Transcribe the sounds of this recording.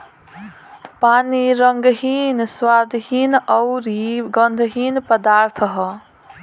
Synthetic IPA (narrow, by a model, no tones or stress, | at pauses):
paniɾʌŋɡɦinswad̪ɦinʌwɾiɡʌnd̪ʱəɦinpəd̪aɾt̪ʰəɦʌ